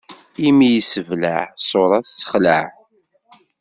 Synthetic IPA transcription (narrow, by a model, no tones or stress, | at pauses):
imijisəvlaʕsˤoɾˤɑθsə̥χləʕ